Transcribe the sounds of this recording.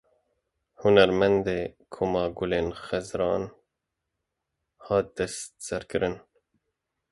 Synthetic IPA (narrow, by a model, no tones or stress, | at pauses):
hunæɾmɛnd̪eːkʰomɑːɡuleːnxɛzɾɑːn | hɑːt̪̚d̪ɛst̪sɛɾkɨɾɨn